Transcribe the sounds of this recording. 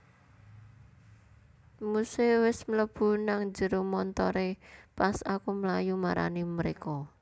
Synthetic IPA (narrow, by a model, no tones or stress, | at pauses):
musewɪsmələb̥ṳnaŋd͡ʒə̤ɾomɔnt̪ɔɾepasakuməlajumaɾa̰niməɾekɔ